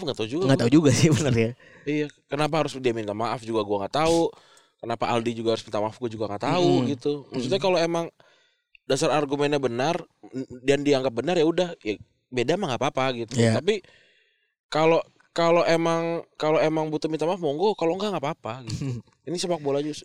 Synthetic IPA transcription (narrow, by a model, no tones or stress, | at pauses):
fŋɡat̪aud͡ʒuɡaŋɡat̪aud͡ʒuɡasɪhbənərja | ijakənap̬aɦaɾʊsdiamint̪amaʔafd͡ʒuɡaɡuaŋɡat̪au | kənapaʔa̰ldid͡ʒuɡahaɾʊsmint̪amaafɡuad͡ʒuɡaŋɡat̪auɡit̪uməst̪ut̪̚ɲakaloemaŋ | dasaɾarɡumɛnɲabənardandiaŋɡap̚bənarjaudahja | bedamaŋɡapapaɡit̪uap̬i | kalo | kaloʔemaŋkaloemaŋbut̪umint̪amaːfmɔŋɡokaloŋɡaŋapapaɡit̪u | inisəbak̚bolad͡ʒʊs